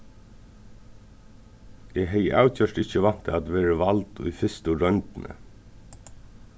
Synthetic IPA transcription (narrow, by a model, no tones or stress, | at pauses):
iːɦeɪʔɑ̰ʉçʰœʃʈɪçəʋɑn̥t̪ʰəɑd̪ʋeːɹəʋɑld̪o̰ːiːfɪst̪ʊɾœnd̪n̩ʔə̰